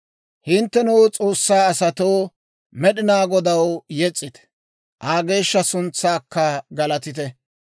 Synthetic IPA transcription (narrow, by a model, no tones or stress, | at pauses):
hɪnt̪ːɛnuwt͡sʼo̞ːsːaːɐsɐt̪oː | mɛɗɪnaːɡɔd̪ɐwjɛt͡sʼːɪt̪ɛ̥ | ʔaːɡe̞ːʃːɐsʊnt͡sːaːkːɐɡɐlɐt̪ɪt̪ɛ